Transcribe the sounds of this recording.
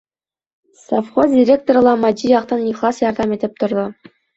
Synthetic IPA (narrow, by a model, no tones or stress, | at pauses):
sofχozdʲiɾʲek̚t̪or̆lˠɑmɑd͡ʑʲijɑqt̪ɑnnʲiklˠɑsjɑrd̪ɑmʲet̪ʲɘ̆p̚ʲt̪ɤ̆rd̪ɤ̆